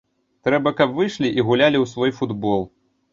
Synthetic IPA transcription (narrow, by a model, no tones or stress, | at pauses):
t̪ɾɛbɐkɐpvɨʂlʲiʔiɣulʲalʲiwsvɔjfud̪bɔlˠ